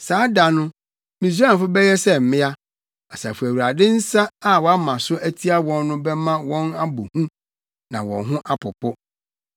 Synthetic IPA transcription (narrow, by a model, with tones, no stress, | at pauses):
saː˨˦da˨nʊ̃˦ | mĩ˨s̬u˦ã˦˨fʊ˦bɛ˦jɛ˦sɛ˦˨m̩˨mɪ̃˦a˦ | a˨sa˨fu˨æ˨wu˨ɾa˨dɪ̃˦n̩˦sa˦a˦wɔ˨a˦mã˨sʊ˦æ˦tʰi˦a˦wɔ̃˦nːʊ̃˦bɛ˦mã˦wɔ̃˦na˦bo˨hũ˦ | nã˨wɔ̰̃˨nɦʊ̃˦ʔa˦pʰʊ˨pʰʊ˦